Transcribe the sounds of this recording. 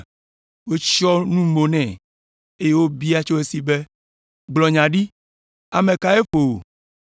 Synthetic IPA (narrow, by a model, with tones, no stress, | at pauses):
wo˦t͡ʃɔ˦nũ˦mo˨nɛ̃˨ | e˦je˦wo˦bi˦a˦t͡ʃo˦e˦si˦be˦ | ɡ͡blɔ˨ɲã˨ɖi˦ | a˨mẽ˨ka˨e˦ɸo˨o˨